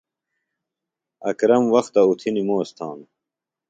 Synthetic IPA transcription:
ɐ̰kɾɐmwɐxt̪ɐut̪ʰinimoːst̪ʰɑ̰ːn

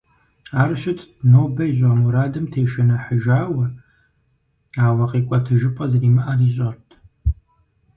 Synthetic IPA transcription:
aːrɕɪtʰʼdnoːbɐiʑʷʼamuɾaːdɨmtʰeːʃɐnɐħəʒaːwɐ | aːwɐqʼiːkʷʼɐtʰɐʒɨpʼɐzɐriːmɨʔɐriːɕʼɐrtʰ

